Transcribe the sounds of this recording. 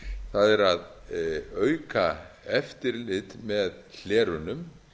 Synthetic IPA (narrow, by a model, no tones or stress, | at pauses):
θaðɛɾað | œːɥkaɛft̪ɪɾlɪt̪mɛðl̥ɛːɾʏnʏm